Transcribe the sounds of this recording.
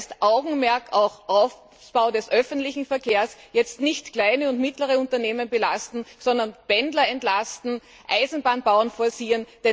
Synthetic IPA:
stʔaʊɡŋ̩mɛɐkʰaʊxʔaʊf | sb̥aʊdɛsʔœfntlɪçŋ̩fɛɐkʰeːɐsjɛt͡stnɪçtkl̥aɪnəʊntmɪtləʁəʊ̃ntɐneːmənbəlastn̩sɔndɐnb̥ɛndlɐɛntlastn̩ | ʔaɪzn̩baːnbaʊənfɔːɐsiːənd̥ɛ

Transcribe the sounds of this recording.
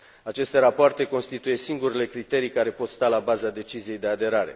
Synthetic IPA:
at͡ʃe̞st̪e̞ɾapoart̪e̞ko̞nst̪it̪uje̞siŋɡuɾele̞kɾit̪e̞ɾijkaɾe̞po̞t̪st̪alabazad̪e̞t͡ʃizije̞jd̪e̞ad̪e̞ɾaɾe̞̰

